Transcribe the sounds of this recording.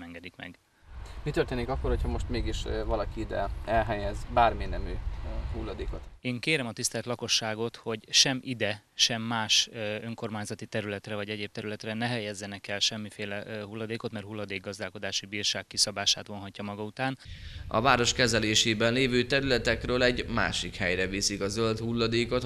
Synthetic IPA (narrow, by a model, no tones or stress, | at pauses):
ɛŋɡɛd̪ikmɛ̰ɡ | mit̪ørt̪eːnikɒkːo̞rhochɒmo̞ʃt̪meːɡiʃvɒlɒkiid̪ɛ̰ɛlɦɛjɛzbaːrminɛmøːɦulːɒd̪eːko̞t̪eːŋkeːɾɛmɒt̪ist̪ɛlt̪lɒko̞ʃːaːɡo̞t̪ho̞ɟʃɛmid̪ɛʃɛmːaːʃø̞ŋko̞rmaːɲzɒt̪it̪ɛɾylɛt̪rɛvɒɟɛɟeːb̚t̪ɛɾylɛt̪rɛnɛɦɛjɛzːɛnɛkɛlʃɛmːifeːlɛɦulːɒd̪eːko̞t̪mɛrɦulːɒd̪eːɡːɒzd̪aːlko̞d̪aːʃibiːrʃaːkːisɒbaːʃa̰ːt̪ʋo̞nɦɒcːɒmɒɡɒut̪aːnɒ̰vaːɾo̞ʃkɛzɛleːʃeːbɛnleːvøːt̪ɛɾylɛt̪ɛkrøːlɛɟma̰ːʃikhɛjɾɛvisikɒzølt̪hulːɒd̪eːko̞t̪